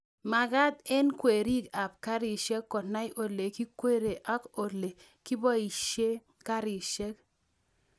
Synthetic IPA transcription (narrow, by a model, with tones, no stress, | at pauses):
ma˨ka˦t̪̚ɛ˦nkwe˨ɾi˦ka˨p̚ka˦ɾi˨ʃɛ˦kːɔ˨na˦jʔo˨le˨ki˦kwe˦ɾe˨ʔa˦ko˨le˨ | ki˦bɔ˦i˨ʃe˦ | ka˦ɾi˨ʃɛ˦k̚